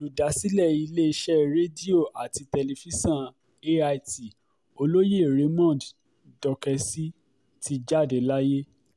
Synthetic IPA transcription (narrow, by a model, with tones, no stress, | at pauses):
lu˨da˨˦si˦lɛ˦˨i˧le˦˧˦ʃɛ˦ɾe˦di˦o˦˨ʔa˨ti˧te˧le˧fi˦sã˦˨ | e˦a˧i˦ti˨ | o˧lo˦je˦˨ɾe˨˦mɔ̃˦˨d | dɔ˧kɛ˧si˦ | ti˧d͡ʒa˦˨de˨˦la˦je˦